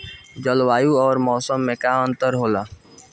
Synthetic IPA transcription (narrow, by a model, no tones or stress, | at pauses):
d͡ʒəlʋaːjuɔːɾmɔːsəmːẽkaə̃nt̪əɾɦoːlaː